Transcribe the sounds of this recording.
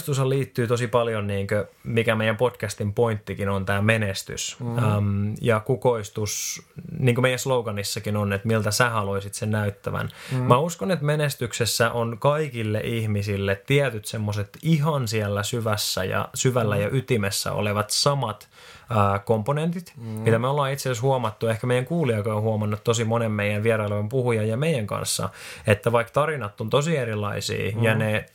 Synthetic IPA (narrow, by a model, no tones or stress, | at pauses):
st̪usɑliːt̪ːyːt̪osipɑljonniːŋkømikæmeijæmpotkæst̪impoint̪ːikinont̪æːmenest̪y̰smjɑkukoist̪usniːŋkomeijæsloukɑnːisːɑkinonet̪milt̪æsæhɑloisit̪sennæyt̪ːæʋæ̰nmæuskonet̪menest̪yksesːæʔonkɑikilːḛʔihmisilːet̪t̪ːiæt̪yt̪semːoset̪iɦɑnsiælːæsyʋæsːæjɑ̰syʋælːæjɑʔyt̪imesːæ̰o̰leʋɑt̪sɑmɑt̪ | əːkomponent̪it̪mit̪æmeolːɑːit̪seshuɑmɑt̪ːuehkæmejæŋkuːliɑikɑohuɑmɑnːut̪t̪osimonemmeijænʋiɛrɑileʋempuhujɑjjɑmeijæŋkɑ̰nsːɑ̰et̪ːæʋɑikt̪ɑrinɑt̪ːont̪osierilːˑɑisḭːjɑne